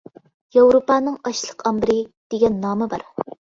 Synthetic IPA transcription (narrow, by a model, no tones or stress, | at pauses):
jɑwɾopɑːnɨŋɑʃlˠəqʰɑmbɪɾɪd̪̥eɡʲɛnːɑːmɨbɑɾ